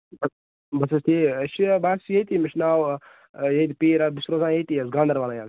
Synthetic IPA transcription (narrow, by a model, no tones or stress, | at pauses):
bɐ | bɐsɐst̪iːʃibaːsjet̪imɐʃnaːw | jeːt̪ipiːɾabisɾoːzãːjet̪iːɐsɡãːnd̪ɐɾʋaːnãjaːn